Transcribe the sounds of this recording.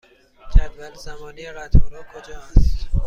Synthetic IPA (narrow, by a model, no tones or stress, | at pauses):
d͡ʒʰæd̪vælzæmɒːniɾæt̪ɔɾɔːkʰod͡ʒɒːst̪